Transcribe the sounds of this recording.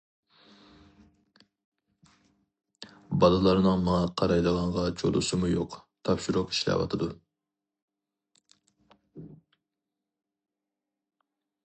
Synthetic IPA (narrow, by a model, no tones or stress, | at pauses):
bɑlˠɨlˠɑɾnɨŋmɑŋɑqʰɑɾɑjlˠəʁɑɴʁɑt͡ʃʰo̰lˠʊ̰sɨmujoqt̪ʰɑpʃiɾʊqi̥ʃlɛ̰wɑ̰t̪ʰɨd̪u